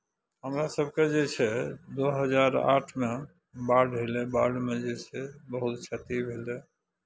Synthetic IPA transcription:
ɦəmɾasəbʱked͡ʒet͡ʃʰɛd̪oɦəd͡ʒaɾa̰ʈʰme | baɖɦelebaɖmẽd͡ʒesebəɦut̪t͡ʃʰət̪ibʱeld̪ɛ

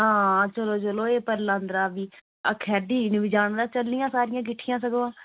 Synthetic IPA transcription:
ɦãːt͡ʃəloːt͡ʃəloːeːpəɾlãːnd̪ɾaːbiː | ə̰kʰɛːdiːnʋiːd͡ʒaːɳd̪aːt͡ʃəlnɪjãːsaːɾɪjãːk̬ɪʈʰɪjãːs̬əɡoːãː

